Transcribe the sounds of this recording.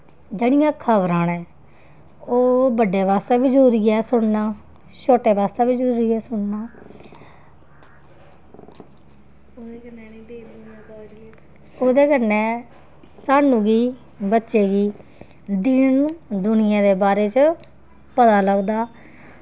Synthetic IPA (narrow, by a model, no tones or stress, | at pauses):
d͡ʒeːɽɪjãːkʰəʋɾãːnɛ̃ː | oːbəɖːeːʋaːst̪eːbɪt͡ʃoːɾɪːɛːsʊɽnaː | t͡ʃʰoːʈeːʋaːst̪eːʋɪt͡ʃoːɾɪːɛːsʊɳnaː | od̪eːkənɛːniːbeːɾ | aːkaːd͡ʒ | oːd̪eːkənːɛ̃ː | saːnũːɡiː | bətːʃeːɡiː | d̪ɪnd̪ʊnɪjãːd̪eːbaːɾeːt͡ʃə | pət̪aːləɡd̪aː